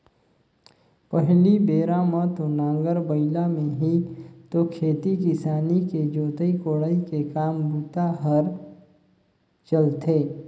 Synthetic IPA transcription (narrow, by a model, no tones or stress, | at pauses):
pəɦlibeːɾamət̪onãːŋɡəɾbəɪlamẽɦit̪okʰeːt̪ikɪsaːniked͡ʒoːt̪əikoːɽəikekaːmbuːt̪aɦəɾ | t͡ʃəlt̪eː